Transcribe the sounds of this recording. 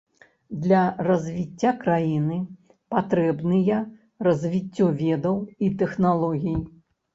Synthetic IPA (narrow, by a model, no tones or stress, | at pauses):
d̪lʲɐrɐzʲvʲit͡sʲːakɾajinɨ | pat̪ɾɛbnɨjɐ | rɐzʲvʲit͡sʲːɔvʲɛd̪ɐwit̪ɛxnalˠɔɣʲij